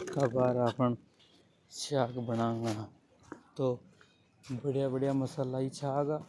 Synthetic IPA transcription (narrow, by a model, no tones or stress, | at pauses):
kabaːɾaːpən | saːkbəɽãːŋɡa | t̪oː | bəɽjabəɽjaməsaːlait͡ʃʰaːɡaː